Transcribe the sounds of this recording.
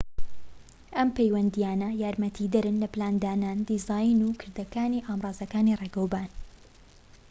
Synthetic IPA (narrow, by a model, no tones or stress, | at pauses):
ʔɐmpejwɐnd̪ijaːnɐjaːɾmɐt̪ʰid̪ɐɾɨnlɐplaːnd̪aːnaːnd̪izaːjnukʰɨɾd̪ɐkaːniʔaːmrˤɑːzɐkaːnireːɡɐwbaːn